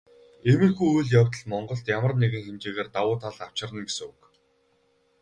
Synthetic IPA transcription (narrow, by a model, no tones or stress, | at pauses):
emɘ̆rxujujɮjawt̪ə̆ɮmɔɴɢɞ̆ɬt̪jamə̆rneɣɘ̆ŋxemt͡ɕeːɣeːrt̪awʊːt̪ʰaɮaw̥t͡ɕɪ̆rə̆nɡesɘ̆ŋʊk